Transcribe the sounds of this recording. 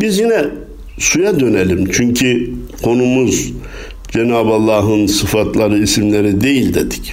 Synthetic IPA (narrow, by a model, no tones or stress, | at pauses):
bizjinɛ | sujad̪ø̞nelʲimt͡ʃʰyɲcʰi | kʰo̞numuz | d͡ʒenaːbalˠːaːɦɯnsɯfat̪ʰlˠaɾɯisimlʲe̞ɾid̪e̞jilʲd̪ed̪i̥c